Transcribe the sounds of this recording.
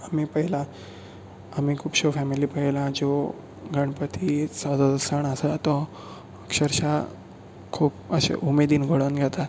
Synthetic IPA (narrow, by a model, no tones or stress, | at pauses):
amipəɦila | amikʰuːpɕofɛmiliːpəɦilãd͡zo | ɡʱəɳ̃pət̪ʰisad̪ʱəd̪səɳəsət̪ɔ | əkɕəɾɕa | kʰuːpəɕḛʔumed̪iːnɡʱoɽənɡʱat̪a